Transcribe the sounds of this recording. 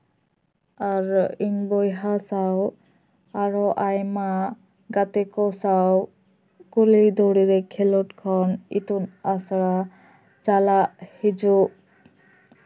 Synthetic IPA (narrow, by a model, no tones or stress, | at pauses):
aɾiɲbɔjɦasaw | aɾɔʔajma | ɡat̪ɛkɔsaw | kulid̪ɔɽiɾɛkʰɛlɔʈkʰɔnḭt̪unasɽɾa | t͡ʃalaʔhid͡ʒuʔ